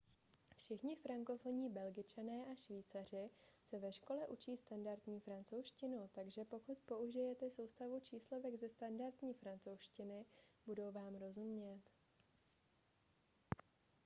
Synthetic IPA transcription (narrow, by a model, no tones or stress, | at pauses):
fʃɪxɲɪfɾaŋko̞fo̞ɲiːbɛlɡɪt͡ʃanɛːʔaʃviːt͡sar̝ɪsɛvɛʃko̞lɛʔut͡ʃiːst̪andaɾt̪ɲiːfɾant͡so̞wʃcɪnut̪aɡʒɛpo̞kut̪̚po̞uʒɪjɛt̪ɛso̞wst̪avut͡ʃiːslo̞vɛɡzɛst̪andaɾt̪ɲiːfɾant͡so̞wʃcɪnɪb̥udo̞wvaːmɾo̞zumɲɛt̪